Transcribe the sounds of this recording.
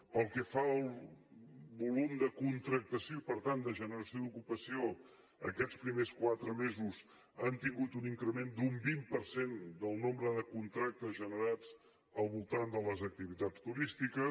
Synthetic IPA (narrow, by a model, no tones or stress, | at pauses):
pəlˠkəfaəlˠ | βulumd̪əkunt̪ɾək̚t̪əsioipəɾt̪and̪əʒənəɾəsioðd̪ukupəsio | ə̰kɛt͡spɾimeskwat̪ɾəmezuz | ənt̪iŋɡut̪uniŋkɾəmend̪umbimpəɾsend̪əlˠnombɾəðəkunt̪ɾak̚t̪əzʒənəɾad͡z | əlˠβulˠt̪and̪ələzək̚t̪iβit̪at͡st̪uɾist̪ikə